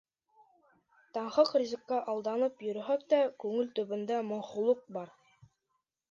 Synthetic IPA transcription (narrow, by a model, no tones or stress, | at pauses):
t̪ɑɴχɤqrʲizɘ̆kːɑʔɑlˠd̪ɑnɤpjɵ̆ɾɵ̆ɦæk̚t̪ækʉŋɘlt̪ɵ̆βɘ̆nd̪æmŏɴχulˠɤq̚bɑɾ